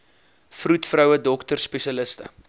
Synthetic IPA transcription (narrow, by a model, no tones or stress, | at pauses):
frutfrœwədɔktərspɛʃɐləstə̰